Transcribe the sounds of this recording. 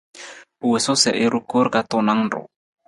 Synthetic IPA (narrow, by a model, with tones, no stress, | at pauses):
u˨we˨so˦sɛ̰˨ʔɪ˦ɾu˦ko˦ɾka˦t̪o˦na˦ŋdɔ̰˨